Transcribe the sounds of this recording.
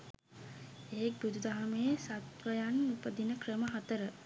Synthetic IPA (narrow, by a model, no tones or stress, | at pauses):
eek̚bud̪ud̪aɦaməjəsat̪ʋəjanupəd̪inəkrəməɦat̪əɾə